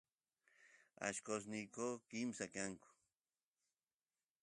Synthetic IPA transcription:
a̰ʃkos̬nɪkoːkɪmsakaŋkʊ̥

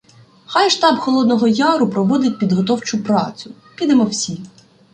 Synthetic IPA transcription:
xɑjʃt̪ɑbxɔlˠɔd̪nɔɦɔjɑɾʊpɾɔʋɔd̪ɪtʲpʲid̪ɦɔt̪ɔwt͡ʃʊpɾɑt͡sʲʊ | kʲid̪emɔwsʲi

